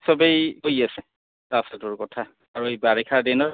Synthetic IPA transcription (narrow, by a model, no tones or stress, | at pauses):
sɔbejkojasɛ | tasɛtʊɹkɔtʰa | aɹuebaɹikʰaɹdɛnɔɹ